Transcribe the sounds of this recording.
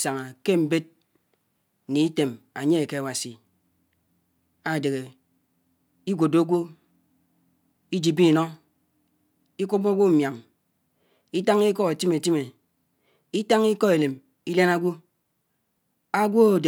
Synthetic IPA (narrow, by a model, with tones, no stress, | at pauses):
sa˨ŋa˨ke˦m̩˨be˦t̚ | ni˨i˦te˨ma˨ɲe˦e˨ke˦a˨wa˨si˨ | a˨de˨ɣe˨ | i˦ɡʷo˨do˦ɡʷo˦ | i˦d͡ʒi˨bi˦˨nɔ˦ | i˦kʷu˦bo˦ɡʷo˦m̩˨mja˨ŋ | i˦ta˦ŋi˦kɔ˦ɣa˨ti˦me˨ti˦me˨ | i˦ta˦ŋi˦kɔ˦e˨le˨m | i˦le˦na˦ɡʷo˦ | a˦ɡʷo˦o˨d